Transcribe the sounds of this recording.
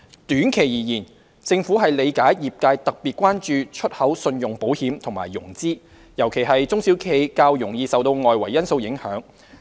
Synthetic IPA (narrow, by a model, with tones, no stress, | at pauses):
t̪yː˨˥nkʰe˨jjiː˨˩jiː˨˩n | t͡sɪ˧ŋfuː˨˥ɦɐ˨jle˨˧jkaː˨˥jjiː˨p̚kaː˧jt̪ɐ˨k̚piː˨t̚kʷwaː˥nt͡ʃyː˨t͡ʃʰɵ˥t̚hɐ˨˥wsɵ˧njʊ˨˩ŋpo˨˥whiː˨˥mt̪ʰʊ˨˩ŋma̰ː˨˩jːʊ˨˩ŋt͡siː˥ | jɐ˨˩wkʰe˨˩jɦɐ˨jt͡sʊ˥ŋsi˨˥wkʰe˧jkaː˧wjʊ˨˩ŋjiː˧sɐ˨wt̪o˧wŋɔː˨jwɐ˨˩jjɐ˥nso˧wjɪ˨˥ŋhœ̰ː˨˥ŋ